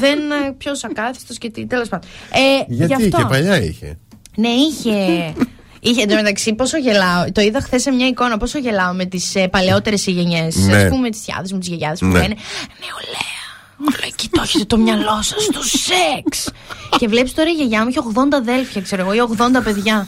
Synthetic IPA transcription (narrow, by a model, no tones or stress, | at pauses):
ðenpço̞sɐkɐθi̥st̪oscet̪it̪elo̞spɐnd̪oeʝɐtʝɐft̪oepɐʎɐḭçḛ | neiçe̞ | içend̪omet̪ɐksipo̞soʝe̞lɐot̪o̞iðɐxθesːemɲɐiko̞nɐpo̞soʝe̞lɐome̞t̪isepɐle̞o̞t̪e̞ɾe̞siʝeɲe̞sɐspumemet̪i̥sçɐ̰ðe̞zmut̪izʝeʝɐðespueneneoleɐ | loci̥t̪oçet̪et̪o̞mɲɐlo̞sɐ̥st̪oseks | ce̞vle̞pist̪oɾɐiʝeʝɐmuiçeo̞ɣðo̞nd̪ɐðe̞lfçɐkse̞ɾoeɣoieo̞ɣðo̞nd̪ɐpeðʝɐ